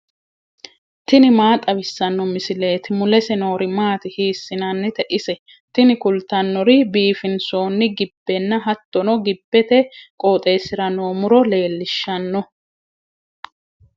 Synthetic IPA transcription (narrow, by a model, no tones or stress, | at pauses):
t̪ɪnɪmaːt̪ʼɐbɪsːɐnːɔmɪsɪle̞ːt̪ɪmʊlɛsɛno̞ːɾɪmaːt̪ɪhiːsːɪnɐnːɪt̪ɛʔɪsɛ | t̪ɪnɪkʊlt̪ɐnːɔɾɪbiːfɪnso̞ːnːɪɡɪbːɛnːɐɦɐt̪ːɔnɔɡɪbːɛt̪ɛkʼoːt̪ʼe̞ːsɪɾɐnoːmʊɾɔle̞ːlːɪʃːɐnːɔ